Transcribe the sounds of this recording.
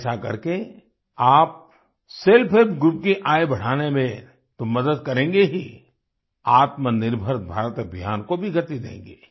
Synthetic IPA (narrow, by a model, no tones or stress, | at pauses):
sakɐ̰ɾke | aːp̚ | selpʰɪɾbɡɾʊp̚kiʔaːebɐɽ̤aːnemẽ | t̪ʊmːɐd̪əd̪̚kɐɾẽːŋɡeɦi | aːt̪mənɪɾbʱəɾbʱaːɾət̪əbʱjaːnkobʱiɡɐt̪id̪ḛ̃ːŋ̆ɡeː